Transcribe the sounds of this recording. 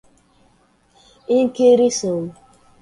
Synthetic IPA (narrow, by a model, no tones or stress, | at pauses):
iŋ̩keɾisowu